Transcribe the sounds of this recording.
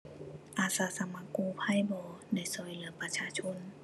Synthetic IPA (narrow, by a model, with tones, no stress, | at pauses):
ʔaː˧˩saː˨˧˦sa˧˦ma˧˦kːuː˧˨pʰa˧˥˨jbɔː˧˦da˧˩˨jsɔː˨˦jlɯ˨˦ɐpa˧t͡ɕʰaː˧˨t͡ɕʰo˧˥˨n